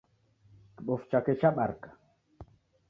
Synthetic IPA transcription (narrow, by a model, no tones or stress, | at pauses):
kiɓɔft͡ʃakɛt͡ʃaɓaɾkḁ